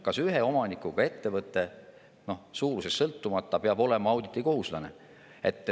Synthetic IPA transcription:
kɑsyɦe̞o̞mɑnikˑuɡ̥ɑe̞t̪ːe̞vɤt̪ˑːe̞ | no̞hsuːɾuse̞sːɤlt̪ːumɑt̪ːɑpeɑbo̞le̞mɑɑwd̪̥it̪ːˑiko̞ɦuslɑne̞̰ | e̞̰t̪ːˑ

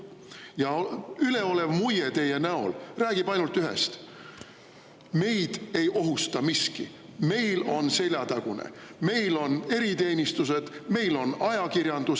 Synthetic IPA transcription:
jɑyle̞o̞le̞vmujet̪e̞je̞næo̞̰lræːɡ̥ibɑjnult̪ːˑyɦe̞̰st̪ | me̞jd̪̥e̞jo̞ɦust̪ɑmiski | me̞jlo̞nse̞lʲjɑt̪ɑɡ̥unḛme̞jlo̞ne̞ɾit̪e̞ːnʲist̪use̞d̪̥me̞jlo̞nɑjɑkiɾjɑnd̪̥us

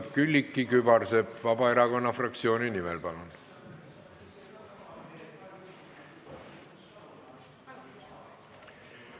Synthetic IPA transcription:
kylʲːikːˑikybɑrse̞bvɑbɑe̞ɾɑko̞nːɑfrɑk̚t̪sio̞ːninimelpɑlun

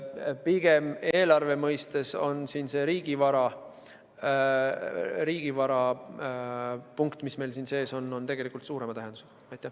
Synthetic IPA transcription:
piɡ̥e̞me̞ːlɑrve̞mɤjst̪e̞so̞nsiːnse̞ːɾiːɡ̥ivɑɾɑ | ɾiːɡ̥ivɑɾɑ | puŋkt̪ˑmisme̞jlsiːnse̞ːso̞nːo̞nt̪e̞ɡ̥e̞likult̪suːɾe̞mɑt̪æɦe̞nd̪u̥se̥ɑɑjt̪ːˑæh

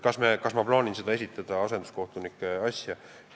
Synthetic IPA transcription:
kɑsmekɑsmɑplɑːninse̞d̪ɑe̞s̬ʲit̪ːˑɑd̪̥ɑɑse̞nd̪̥uskoht̪unikːˑeɑsʲjɑ

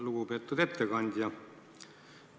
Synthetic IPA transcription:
luɡ̥upe̞t̪ːud̪e̞t̪ːekɑnʲd̪̥ʲjɑ

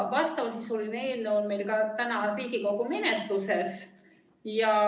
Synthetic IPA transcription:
ʋɑst̪ɑʋɑsisolinenonmejlkɑt̪ænɑriːɡikokomenet̪ːˑuses | jɑ

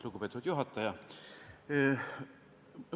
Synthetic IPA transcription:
luɡupe̞t̪ːuvd̪juɦɑt̪ːˑɑjɑ

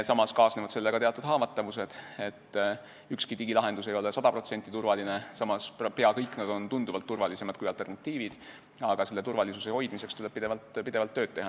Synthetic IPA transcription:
sɑmɑskɑːsnevɑd̪se̞lːeɡ̥ɑt̪eɑt̪ːˑud̪̥ɦɑːvɑt̪ːˑɑvuse̞d̪̥e̞t̪ː | ykskit̪iɡilɑɦe̞nd̪̥use̞jo̞lesɑd̪ɑpro̞t̪se̞nt̪ːˑit̪urvɑlinesɑmɑsppe̞ɑkɤjkːˑnɑd̪̥o̞nt̪und̪uvɑlt̪ːurvɑlise̞mɑd̪̚kujɑlt̪ernɑt̪ːˑiːvid̪̥ | ɑɡ̥ɑse̞lːe̞t̪urvɑlisuse̞ho̞jd̪̥mise̞kst̪ule̥pid̪e̞vɑlt̪pid̪̥e̞vɑlt̪ːøːd̪̥̚t̪e̞ɦɑ

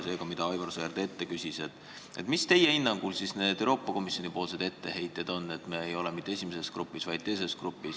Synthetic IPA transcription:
se̞ːɡɑmid̪̥ɑɑjvɑrseærd̪̥ee̞t̪ːe̞kysʲiset̪ˑ | et̪mist̪e̞jeinːɑŋɡ̥ulsisne̞ːd̪̥ewɾo̞ːpˑːɑko̞misˑjo̞nipoːls̬e̞d̪̥e̞t̪ːe̞he̞jt̪ːˑe̞d̪̥o̞nːe̞t̪meejo̞lemit̪ːeesʲimeseskrupːˑisvɑjd̪̥̚t̪e̞js̬e̞skrupːˑis

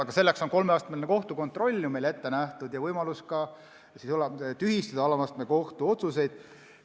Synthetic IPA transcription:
ɑɡɑse̞lːekso̞nko̞lmeɑːst̪melnːeko̞ht̪uko̞nt̪ˑro̞lʲːumele̞t̪ːe̞næht̪ud̪jɑvɤjmɑluskɑ | sisolːɑt̪yɦist̪ɑd̪̥ɑɑlɑmɑst̪meko̞ht̪uo̞t̪suse̞jd̪̥

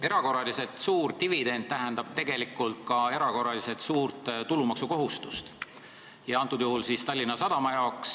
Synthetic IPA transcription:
e̞ɾɑko̞rːɑlise̞t̪suːɾt̪ivid̪̥e̞nd̪̥̚t̪æɦend̪̥ɑb̥̚t̪e̞ɡ̥e̞likːˑult̪kɑe̞ɾɑko̞rːɑliset̪suːrt̪t̪ulumɑksuko̞ɦust̪u̥st̪ | jɑɑnt̪ːˑud̪̥juhulsiːst̪ɑlʲːinɑsɑd̪̥ɑmɑjɑoks

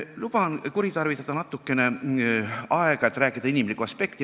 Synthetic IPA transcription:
lub̥ɑnkuɾit̪ɑrvit̪ːˑɑd̪̥ɑnɑt̪ːˑukːˑe̞ne̞ | ɑeɡ̥ɑe̞t̪ːˑɾæːkːˑid̪̥ɑinimlikːuɑspe̞kt̪i

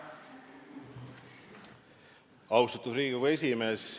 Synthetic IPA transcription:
ɑwst̪ut̪usɾiːɡiɡɑe̞s̬ʲimes

